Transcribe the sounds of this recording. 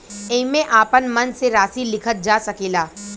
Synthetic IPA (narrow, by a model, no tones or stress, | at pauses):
ẽmẽʔaːpənmɐnseɾaːsilɪkʰət̪̚d͡ʒaːsɐkeːlaː